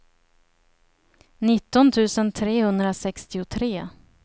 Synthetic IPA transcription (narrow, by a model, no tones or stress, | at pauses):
nɪt̪ːɔnt̪ʰʉ̟ːsənt̪ʰɾeːhɵnd̪ɾasɛkst̪ɪʊt̪ʰɾeː